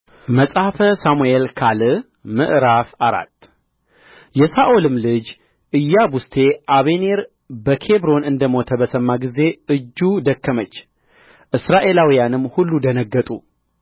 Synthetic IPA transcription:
məsʼhfəsamuelkʰalɨ | mɨʔɾafaɾa̰t̪ː | jɛsaʔolɨmlɨd͡ʒ | ʔɨjːabust̪ʰe̞ʔaβe̞ne̞ɾ | bəkʰe̞bɾo̞nɨnd̪əmo̞t̪ʰəbəsəmːaɡize̞ɨd͡ʒːud̪əkːəmət͡ʃː | ʔɨsɾaʔe̞lawijanɨmːhulːud̪ənəɡːət̪ʼu

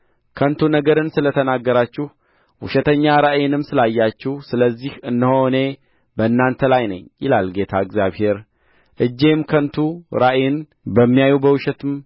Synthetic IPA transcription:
kʰənt̪ʰunəɡəɾɨnsɨlət̪ʰənaɡːəɾat͡ʃːɪh | wʊʃɛt̪ʰəɲːaɾaʔjɪnɨmsɨlajːat͡ʃːɪhsɨləzːihɨnːəhone̞ | bəɨnːant̪ʰəlajnə̰ɲjɪ̰lalɡe̞t̪ʰaɨɡzjaβhe̞ɾ | ʔɨd͡ʒːe̞mkʰənt̪ʰuɾaʔjɪn | bəmːijajubəwʊʃɛt̪ʰɨm

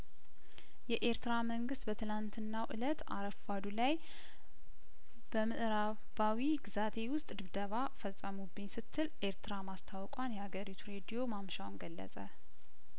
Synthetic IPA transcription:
jɛʔe̞ɾt̪ɨɾaməŋɡɨst̪bət̪ʰɨlant̪ʰɨnːawʔɨ̰lət̪a̰ɾəfad̪ulaj | b̥əmɨʔɾa | bawiɡɨzat̪ʰe̞wʊst̪ʼd̪ɨβd̪əβafəsʼːəmubːɨɲsɨt̪ʰːɨlʔe̞ɾt̪ʰɨɾamast̪ʰawkʼwanjɛhaɡəɾit̪ʰuɾe̞d̪ijo̞mamʃawnɡəlːə̰sʼə

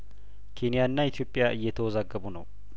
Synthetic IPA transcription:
kʰenɪjaɨnːaɪt̪ʰijo̞pʼːɪjaʔɨjːɛt̪ʰəwɔzaɡːəbunəw

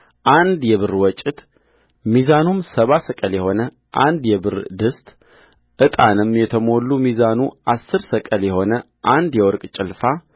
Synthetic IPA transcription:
ʔand̪jɛβɨɾwɔt͡ʃʼːɪt̪ | mizanumsəβasəkʼəljɛho̞nə | ʔa̰nd̪jɛbɨɾd̪ɨst̪ʼ | ʔɨt̪ʼa̰nɨmjɛt̪ʰəmo̞lːumizanuʔasːɨɾsəkʼəljɛho̞nə | ʔand̪jɛwɔɾkʼt͡ʃʼɪlfa

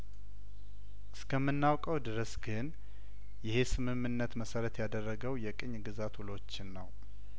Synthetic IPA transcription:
ʔɨskʰəmːɨnːawkʼəwd̪ɨɾəsɡɨn | jɪhe̞sɨmɨmːɨnːət̪məsəɾət̪jad̪ərːəɡəwjɛkʼɨɲːɡɨzat̪wʊlo̞t͡ʃːɪnːəw

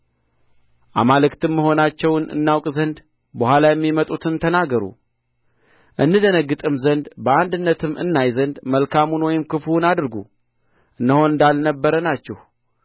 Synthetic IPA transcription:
ʔa̰malɨkt̪ɨmːəɦo̞nat͡ʃːɛwnɨ̰nːawkʼzənd̪ | bəhʷalajɛmːimət̪ʼut̪ʰɨnt̪ʰənaɡəɾṵ | ʔɨnːɨd̪ənəɡːɨt̪ʼɨmzənd̪bəʔand̪ɨnːət̪ʰɨmʔɨ̰nːajzənd̪məlkʰamunwɔjɪmkɨfunad̪ɨɾɡu | ʔɨnːəho̞nɨnd̪alnəbːəɾənat͡ʃːɛh

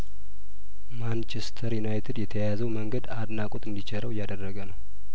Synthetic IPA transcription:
mant͡ʃʰɛst̪ʰəɾjunajt̪ʰɨd̪jɛt̪ʰəjazəwməŋɡəd̪ad̪nakʼot̪ɨnd̪it͡ʃʰeɾəwɪjːad̪ərːəɡənəw

